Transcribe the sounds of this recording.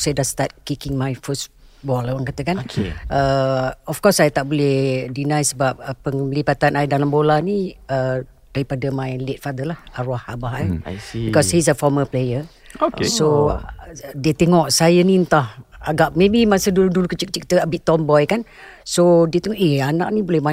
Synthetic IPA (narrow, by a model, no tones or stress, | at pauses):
sajədast̪at̪̚kikɪŋmajfəsbɔlawaŋkat̪əkankəɔfkɔsajt̪aʔbolɛhdinãjsəbap̚əpəŋlibat̪anaidalambolaniə | daɾipadəmãjlet̚fad̪əlahaɾahabaɦabikɔshis̬əfɔməplejə | oso | diət̪ɛŋɔʔsajəniənt̪ahaɡaʔ̚mebimasəduludulukət͡ʃik̚t͡ʃik̚t̪əəbiʔt̪ɔmbɔjkan | sodiət̪ɛŋɔʔɛana̰ʔnibolɛhma